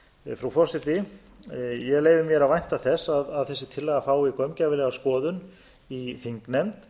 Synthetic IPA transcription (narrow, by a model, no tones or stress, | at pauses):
fɾawfɔ̥sɪt̪ɪ | jɛleːjvɪmjɛɾavajn̥t̪aθɛsːaðaðθɛsːɪt̪ʰɪlːɛɣafaːwikœɥmcavɪlɛɣaskɔːðʏn | iθiŋknɛmt̪